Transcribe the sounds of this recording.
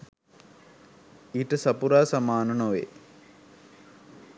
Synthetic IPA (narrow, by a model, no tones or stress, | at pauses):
iʈːɨsɐpuɾaːsɐmaːnɐnoʋḛː